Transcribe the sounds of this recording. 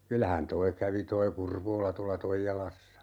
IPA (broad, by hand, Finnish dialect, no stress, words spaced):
kylæhæn toi kæʋi toi kurʋoːlɑ tuɑlɑ toijɑlɑsːɑ